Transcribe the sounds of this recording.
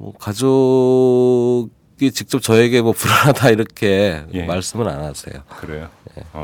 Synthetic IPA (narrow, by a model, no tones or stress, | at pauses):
mwʌ̰kad͡ʑo | ɡit͡ɕik̚t͡ɕ͈ʌp̚t͡ɕʌeɡe̞mwʌpuɾaadaiɾʌkʰe̞maɭs͈ɯmɯna̰nase̞̰jo̰kɯɾejojḛ